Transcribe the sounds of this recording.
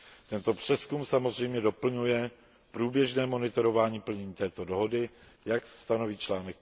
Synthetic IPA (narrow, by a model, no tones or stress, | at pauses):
t̪ɛnt̪o̞pr̝̥ɛskumsamo̞zr̝ɛjmɲɛdo̞pl̩ɲujɛ | pɾuːbjɛʒnɛːmo̞nɪt̪o̞ɾo̞vaːɲiːpl̩ɲɛɲiːt̪ɛːt̪o̞doɦo̞dɪjaksst̪ano̞viːt͡ʃlaːnɛk̚